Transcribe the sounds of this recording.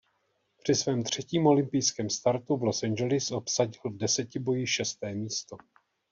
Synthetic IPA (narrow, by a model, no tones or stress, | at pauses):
pr̥ɪsvɛːmt̪r̝̥ɛciːmo̞lɪmpɪjskɛːmst̪aɾt̪uvlo̞sɛnd͡ʒɛlɪsʔo̞psaɟɪlvdɛsɛcɪbo̞jɪʃɛst̪ɛːmiːst̪o̞